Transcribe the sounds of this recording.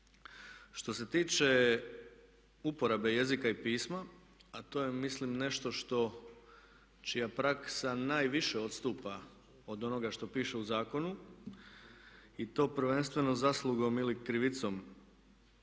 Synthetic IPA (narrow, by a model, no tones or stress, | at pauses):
ʃt̪o̞se̞t̪iːt͡ʃe | upo̞ɾabe̞je̞zikaipiːsma | at̪o̞ːjemislimne̞ʃt̪o̞ʃt̪o̞ | t͡ʃijapɾaksanaːjʋiʃe̞o̞t̪st̪uːpa | od̪o̞no̞ɡaʃt̪o̞piːʃe̞uzaːko̞nu | it̪o̞ːpɾ̩ʋe̞nst̪ʋe̞nozaslˠuɡo̞milikɾiʋit̪so̞m